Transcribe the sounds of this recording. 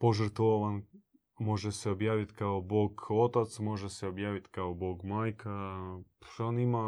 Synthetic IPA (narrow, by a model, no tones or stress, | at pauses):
poʒəɾt̪ʋoʋan | mo̞ʒeseobjaːʋit̪kaoboːɡot̪at̪smo̞ʒeseobjaːʋit̪kaoboːɡmaːjka | onima